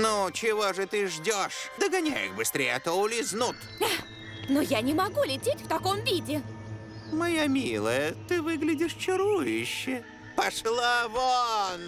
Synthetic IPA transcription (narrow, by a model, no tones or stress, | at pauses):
nut͡ɕɪvoʐɨt̪ɨʐdʲoʂd̪əɡɐnʲa̰jɪ̰xbɨst̪ɾʲejɪɐt̪oʊlʲɪznut̪ | a | nojanʲɪmɐɡulʲɪtʲetʲft̪ɐkomvʲidʲɪ | mɐjamʲilˠəjət̪ɨvɨɡlʲɪdʲɪʂt͡ɕɪɾujʊɕːɪ | pɐʂlˠavon